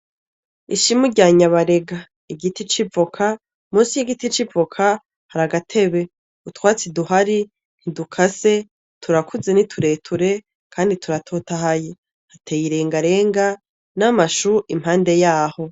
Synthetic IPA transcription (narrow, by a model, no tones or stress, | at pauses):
iʃimuɟaːɲaβaɾe̞ɡa | iɡitit͡ʃivokʰa | muːsijiɡitit͡ʃivokʰa | haɾaɡatʰe̞βe̞ | utwaːt͡siduɦaɾi | n̥idukʰase̞ | tʰuɾakuze̞nitʰuɾe̞ːtʰuɾe̞ | kʰaːnditʰuɾatʰoːtahaje | hatejiɾe̞ːŋɡaɾe̞ːŋɡa | namaʃuʔimhaːnde̞jaːho̞